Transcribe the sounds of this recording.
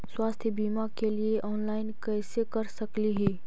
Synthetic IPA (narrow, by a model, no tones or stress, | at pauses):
swaːst̪ʰjəbiːmakelieʔɔːnlaːɪnkɛːsekɐɾsɐkliɦiː